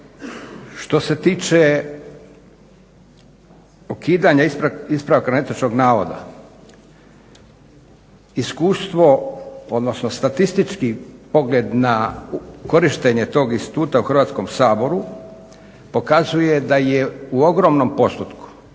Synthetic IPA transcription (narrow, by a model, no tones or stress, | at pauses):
ʃt̪o̞se̞t̪iːt͡ʃe | ukiːd̪aɲaispɾaʋkaet̪at͡ʃko̞ɡnaːʋo̰d̪a̰ | iskuːst̪ʋo̞o̞d̪nosnost̪at̪ist̪it͡ʃkipo̞ɡleːd̪nako̞ɾiʃt̪eɲe̞t̪o̞ːɡinst̪i̥t̪uːt̪auxɾr̩ʋaːt̪sko̞msaːbo̞ɾu | po̞kazuje̞d̪ajeuo̞ɡɾo̞mnompo̞st̪ut̪ku̥